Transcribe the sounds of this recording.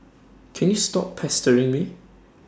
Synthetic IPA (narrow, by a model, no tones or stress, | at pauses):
kʰɛ̃njustɔppʰɛstəɹɪ̃ŋmi